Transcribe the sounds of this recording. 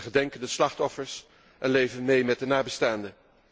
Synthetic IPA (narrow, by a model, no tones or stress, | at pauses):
χədɛŋkəndəslɑχtɔfəɹs | ʔɛnlejvənmejmɛt̚dənaːbəstaːndə